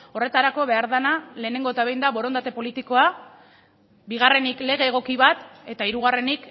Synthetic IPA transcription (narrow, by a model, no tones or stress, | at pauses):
o̞re̞t̪aɾako̞βe̞aɾðanale̞ːne̞ŋɡo̞et̪aβejnd̪aβo̞ɾo̞nd̪at̪e̞po̞lit̪iko̞a | biɣ̞are̞nikle̞ɣ̞e̞ːɣ̞o̞kiβat̪e̞t̪aiɾuɣ̞are̞nik